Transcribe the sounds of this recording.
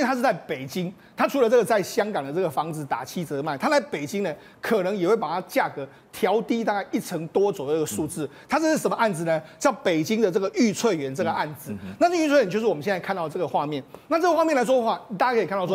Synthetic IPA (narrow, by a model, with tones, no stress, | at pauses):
i˥˩t̪ʰa˥ʂ̩˥˧˩t͡sa˥˩ɪpe˨˩ɪt͡ɕi˥ŋ | t̪ʰa˥ʈ͡ʂʰu˧˥lə˧t͡sɤ˥˩ɡə˩t͡sa˥˩ɪɕjɑ˥ŋkɑ˨˩ŋd̪ə˩ʈ͡ʂɤ˥˩ɡə˩fɑ˧˥ŋd͡zɹ̩˨˩t̪a̰˨˩t͡ɕʰi˥t͡sə˧˦ma˥˩ɪt̪ʰa˥la˧˥ɪpe˨˩ɪt͡ɕi˥ŋnə˨ | kʰɤ˨˩nə˧˥ŋjxwe˥˩ɪpa˨˩t̪ʰa˥t͡ɕja˥˩kɤ˧˦ | t̪ʰjɑ˧˥ʊt̪i˥t̪a˥˧ka˥˧ɪʔi˥˩ʈ͡ʂʰə˧˥˦ŋt̪wɔ˥t͡sːɡə˩ʂu˥˧t͡sɹ̩˥˩t̪ʰa˥ʂ̩˥˧ʂɻ̩˥˩ʂə˧˥mə˧a˥˩nd͡zɹ̩˩nə˦t͡ɕjɑ˥˩ʊpe˨˩ɪt͡ɕi˥ŋd̪ə˨ʈ͡ʂɤ˥˩ɡə˩ʔy˥˧t͡sʰwe˥˩ɪɥɛ˧˥˦nʈ͡ʂɤ˥˩ɡə˩ʔa˥˩nd͡zɹ̩˨˦na˥˧t͡sy˥˧t͡sʰwɥɛ˧˦t͡ɕjʊʂɻ̩˥˧˨ə˦ɕjt͡sa˥˧kʰa˥˧nt̪ɑ˥˧ʊəʈ͡ʂɤ˥˩ɡə˩xwa˥˧mjɛ˥˨nna˥˧ʈ͡ʂɤ˥˩ɡə˩xwa˥˧mjnla˧˥ɪʂwɔ˥də˧xwa˥˩i˨˩a˥˩t͡ɕa˥kʰi˨k̪ʰɔ˥